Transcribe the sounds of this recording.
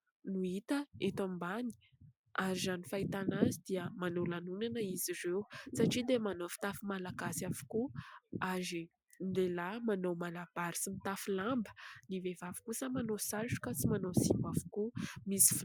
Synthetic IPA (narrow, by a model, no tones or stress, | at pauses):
nuit̪əet̪ambani̥ | aɾizanifait̪anazid̪̥iəmanolanunanəiziɾewsaʈ͡ʂid̪emanofi̥t̪afimalaɡasiavu̥kuazi | nlelamanowmalab̥aɾi̥simit̪afilambə̥nivevavi̥kusamanosalʈ͡ʂu̥kət͡simanosimavu̥kumisi̥f